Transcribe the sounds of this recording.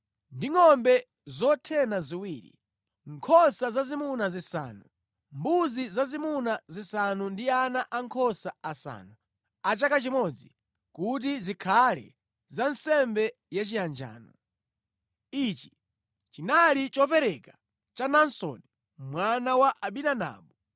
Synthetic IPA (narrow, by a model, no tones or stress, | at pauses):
ndiŋɔmbɛ | zɔtʰɛnaziwiːɾḭ | ŋkʰɔsazazimunazisa̰ːnu | mbuzizazimunazisanundianaʔaŋkʰɔsaasa̰ːnu | at͡ʃakat͡ʃimɔd͡zi | kut̬izikʰalɛ̰ | zansɛmbɛ | jat͡ʃijand͡ʒa̰ːnɔ | it͡ʃi̥ | t͡ʃinalit͡ʃɔpɛɾɛka | t͡ʃanansɔ̰ni | mwanawaʔaɓinana̰ːɓu